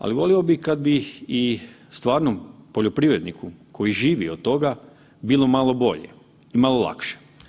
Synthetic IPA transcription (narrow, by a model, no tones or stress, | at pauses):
a̰liʋo̞lio̞bikad̪bii | st̪ʋaːɾnompoʎo̞pɾiʋɾe̞d̪nikukʰo̞jiʒiːʋiod̪̚t̪o̞ɡa | bilˠo̞malˠo̞bo̞ʎḛ | imalo̞lˠa̰kʃe̥